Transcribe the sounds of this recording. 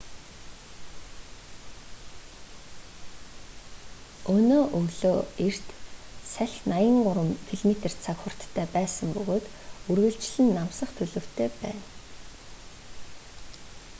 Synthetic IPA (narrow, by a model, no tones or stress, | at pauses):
ɵnoːʔɵwɮoːer̥t̪sæɮʲnajə̆ŋɢʊɾə̆mfʰiɮmet̪er̥t̪t͡sʰakχʊr̥t̪ʰːæːpæːsə̆mpɵɣoːt̪ | urɣɘ̆ɬt͡ɕɮɘ̆nːamsə̆χt̪ʰɵɮɵ̆w̥t̪ʰeːpæ̰ːn